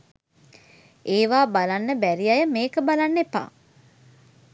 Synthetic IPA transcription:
eːʋaːbalanːəbæɾiajəmeːkəbalanːepa̰ː

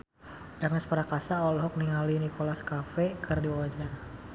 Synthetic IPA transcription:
d͡ʒarnaspaɾakasaɔlɦɔk̚niŋalinikolaskafɛkʰɨrdiwawad͡ʒar

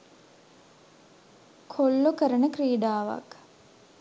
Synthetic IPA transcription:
kʰolːokəɾənəkriːɖaːʋa̰k

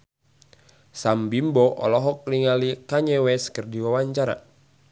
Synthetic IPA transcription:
sambimbɔʔɔ̰lɔɦɔk̚liŋalikaɲɛwɛskərdiwawaɲt͡ʃaɾa̰

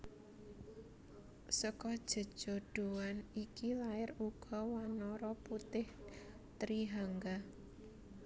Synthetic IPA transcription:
səkɔd̥ʒ̥ə̤d̥ʒ̥o̤ɖ̥uwanikilaɪruɡ̥ɔ̤wanɔɾɔput̪ɪh | t̪ɾiɦaŋɡa

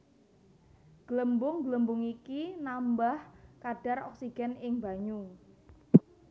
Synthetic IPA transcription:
ɡ̥ələmbʊŋɡləmbʊŋikinambahkaɖ̥a̤rɔksiɡ̥ɛnɪŋba̤ɲu

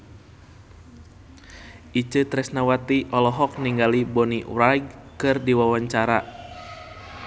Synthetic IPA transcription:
ʔit͡ʃət̪ɾɛsnawat̪iʔɔlɔɦɔk̚niŋɡalibɔniwɾajɡ̚kɨrdiwawaɲt͡ʃaɾa

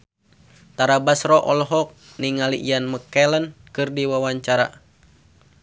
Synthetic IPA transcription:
t̪aɾabasɾɔʔɔlɔɦɔk̚ | niŋalḭʔijanməkɛlənkɨrdiwawaɲt͡ʃaɾa̰

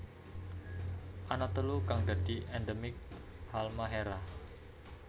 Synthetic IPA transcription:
ʔanat̪əlukaŋd̪a̤d̪̥i̤ʔɛndəmɪk̚ | halmaɦeɾah

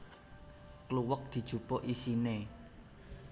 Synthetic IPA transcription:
kluwək̚d̪̥i̤d̥ʒ̥ṳpoʔisine

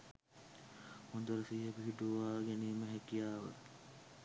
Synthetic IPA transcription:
hond̪uɾəsiːɦəbiɦiʈuʋaːɡæniːməɦækijaːʋə̰

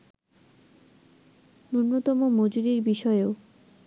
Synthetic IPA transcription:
nuɾnot̪ɔmomod͡ʑuɾiɾbiʃɔeeo

